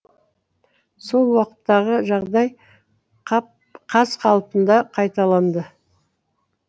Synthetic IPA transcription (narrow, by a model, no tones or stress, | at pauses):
so̞lˠwɑqə̥t̪ːɑʁəʒɑʁd̪ɑj | qʰɑzqʰɑlˠpənd̪ɑqʰɑjt̪ɑlˠɑnd̪ə